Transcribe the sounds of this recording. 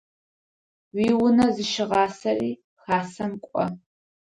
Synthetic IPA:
wiːwʊnɐzɨʃɪʁɑːsɐriː | xaːsɐmkʷʼɔ̰

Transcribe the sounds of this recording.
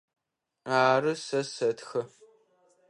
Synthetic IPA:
aːrɨsɐsɐtxɐ

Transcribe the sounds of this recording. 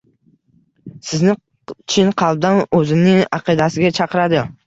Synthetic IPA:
sɪznɪ | t͡ʃʰɪnqʰɑlˠb̚d̪anɵzɪnɪŋɑ̰qʰɨd̪asɪɡʲat͡ʃʰɑqɨɾad̪ɪ

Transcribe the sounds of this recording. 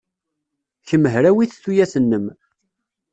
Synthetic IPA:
çəmːəɦɾæwiθθujæsənːəm

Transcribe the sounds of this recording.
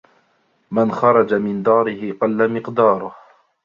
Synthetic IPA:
manxɑɾˤɑd͡ʒamɪnd̪ɑːɾɪhɪqɑlːamɪqd̪ɑːɾˤʊh

